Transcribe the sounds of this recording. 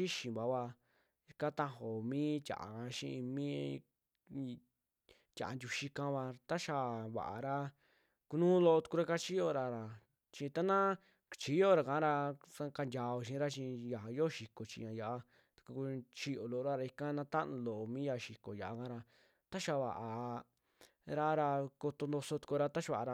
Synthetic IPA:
i˦ʃĩ˨βa˨˦βa˧ | i˧kã˦t̪ã˦ɦo˨mĩː˦tʲa̰˨a̰˨kã˧ʃḭ̃˦˧i˧mĩ˦ | tʲa̰˨a˨ndʲu˧ʃi˧kã˧βa˧t̪a˦ʃa˧βa̰˨ʔa̰˨ɾa˦ | ku˧nũː˦lo˧o˧t̪u̥˧ku˧ɾa˦ka˧t͡ʃi˦jo˧ɾa˧ɾa˨ | t͡ʃĩ˧t̪a˦nã˦ | t͡ʃi˨˦jo˦˨ɾa˨kã˨˦ɾa˧sa˧ka˧ndʲa˨o˧˨ʃĩ˧˦ɾa˦t͡ʃĩ˧ja˨jo˦˨ʃi˧ko˨t͡ʃḭ̃˧ã˧ja˨ʔa˧ | t̪ḁ˧ku˧ku˧t͡ʃi˧o˨lo˧˨o˧ɾa˦ɾa˧i˧ka˦nã˧t̪a˦ʔnũ˧lo˨ʔo˨mĩː˦ja˧˨ʃi˨ko˨ja˨a˧kã˦ɾa˧ | t̪a˦ʃa˧˨βa̰˨ʔa˨ | ɾa˦ɾa˧ko˧t̪o˧nd̪o˧so˧t̪u̥˧ku˧ɾa˧t̪a˦ʃβa˧˨˧ɾa˧

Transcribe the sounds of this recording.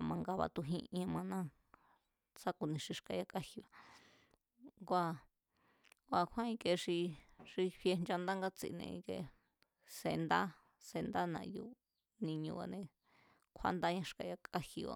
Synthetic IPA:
mã˧ŋɡa˧βa̰˧t̪u˧ɦĩ˧ʔã˧mã˧nã˦ | t͡sa˦ku˧nĩ˧ʂi˧ʂka˧ja˧kʼa˦hi˧a˨ | ɡʷa˧ | ɡʷa˧˨kʰã˦ĩ˧kʼe˧ʂi˧ʂi˧ɸje˧nd͡ʒa˧nd̪a˦ŋɡa˦t͡sḭ˧˨nḛ̃˧ĩ˧kḛ˧ | se˧nd̪a˦ | se˧nd̪a˦nã̰˧ju˧ | nĩ˧ɲũ˧a̰˧nẽ˧ | kʷʰa̰˧˦nd̪a˦ɲã˧ʂka˧ja˧kʼa˦hi˧a̰˨

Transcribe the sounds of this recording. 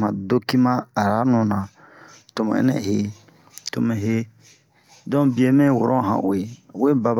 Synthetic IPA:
mã˨do˦ki˦mã˦a˨ɾa˦nũ˨nã˨ | to˨mã̰˨ɛ̰˦nɛ̰̃˦˨he˦ | to˨me˨ɦe˦ | dɔ̃˦bi˨e˨mẽ˦˨wo̰˨ɾɔ̃˦˨ɦã̰˨ʔo˨e˨we˦ba˦b

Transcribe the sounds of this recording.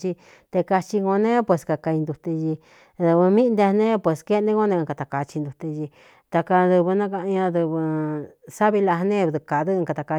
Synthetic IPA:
t͡ʃi˧ | t̪e˧ka˧t͡ʃi˧ɡo˧nẽ˦pwe˨ska˧ka˧i˧nd̪u˧t̪e˧ʒi˧ | ðɨ˧βɨ˧mĩ˦nd̪e˧˦nẽ˦pwe˨ske˦˧nẽ˦ɡo˦nẽ˧ka˧t̪a˨ka˧t͡ʃi˧nd̪u˧t̪e˧ji˧ | t̪a˧ka˧d̪ɨ˧βɨ˧nã˦ka˧ʔɲã˧ðɨ˧βɨ˧sa˦βi˧la˧hnẽ˦ðɨ˧ka˨˧ðɨ˦˧ka˧t̪a˧ka˧

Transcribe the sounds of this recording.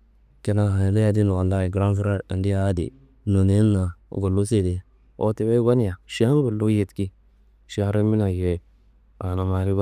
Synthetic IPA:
ke˨˦na˨ha˨le˦ja˨di˦no˨a˨lːa˦i˨ɡɾa˦nfi˦ɾa˦ɾa˨ndi˦a˦dḭ˨ | no˨ne˦nːa̰˨ɡo˨lːu˦se˦˨de˨˦ | o̰˨˦te˨˦be˦ba˦n˦ja˨ʃa˦ŋ˦ɡo˨lːu˦je˨tki˦ | ʃa˨ɾe˦mi˦na˨je˨ | a˨na˨ma˨ɾi˦ba˦

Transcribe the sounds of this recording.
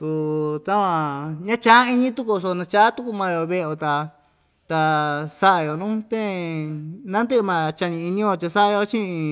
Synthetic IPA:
t̪u˧t̪a˦kã˧ɲã˦t͡ʃã˦i˧ɲĩ˦t̪u˦ku˧s̬o˧nã˧t͡ʃa˦t̪u˦ku˧mã˧jo˧˨βe˦˧˨o˧t̪a˧ | t̪a˧sa˦ʔa˧jo˨nũ˦t̪ẽ˦ | nã˦nd̪ɨ˦ʔmã˧t͡ʃa˧nĩ˧i˧nĩ˦jo˧t͡ʃa˧sa˦ʔa˧jo˧t͡ʃĩ˦˧

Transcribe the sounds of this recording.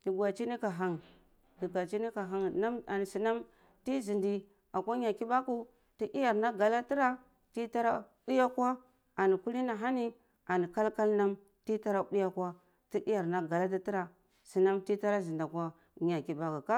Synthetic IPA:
ti˨ɡʷa˨t͡ʃi˦ni˦ka˨ɦa˨ŋ | di˨ɡa˨t͡ʃi˦ni˦ka˨ɦa˨ŋna˦a˨ni˨si˨na˦m | ti˦zi˨ndi˨ | a˨kʷa˦ɲa˨ki˦ba˦ku˦ | ti˦ʔi˦ja˨ɾna˦ɡa˨la˦ti˦ɾa˦ | ti˦ta˦ɾa˦ | i˦ja˦kwa˦ | a˨ni˨ku˦li˦na˨ɦa˦ni˦ | a˨ni˨ka˦lka˦lna˦m | ti˦ta˦ɾa˦ɗi˦ja˦kwa˦ | ti˦i˦ja˨ɾna˦ɡa˨la˦t̬a˦ti˦ɾa˨ | si˨na˦mti˦ta˦ɾa˦zi˨nda˨kʷa˦ | ɲa˨ki˨ba˦ku˨ka˦

